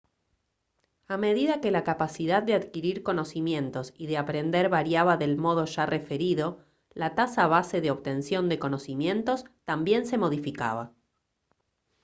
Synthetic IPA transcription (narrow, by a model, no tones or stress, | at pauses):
ame̞ðiðake̞lakapasiðaðd̪eaðkiɾiɾko̞no̞simje̞nt̪o̞siðeapɾe̞nd̪eɾβaɾjaβaðe̞lmo̞ð̞o̞ʒare̞fe̞ɾiðo̞ | lat̪asaβ̞ase̞ðeo̞βt̪e̞nsjo̞nd̪eko̞no̞simje̞nt̪o̞st̪ambje̞nsemo̞ð̞ifika̰βa